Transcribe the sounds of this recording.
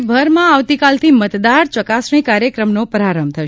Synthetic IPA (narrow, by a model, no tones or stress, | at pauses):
bʱəɾmãaʋt̪ikalt̪ʰimət̪d̪aɾt͡ʃəkasɳĩkaɾjəkɾəmnopəɾaɾəmt̪ʰəʃ